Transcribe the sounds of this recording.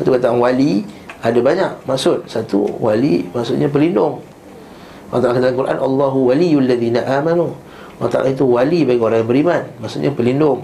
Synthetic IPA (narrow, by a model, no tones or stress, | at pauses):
sat̪ukat̪aŋwaliadabaɲak̚maʔsʊt̪̚sat̪ṵwalḭmaksʊt̪̚ɲapəlindʊŋ | nt̪aʔakat̪aŋkuɾʔa̰nʔalːaɦuwalijlːaðiːnaʔamanu | oʔat̪a̰ʔa̰it̪uwalibaɡioɾaŋjabəɾimanmaʔsʊt̪̚ɲapəlindʊŋ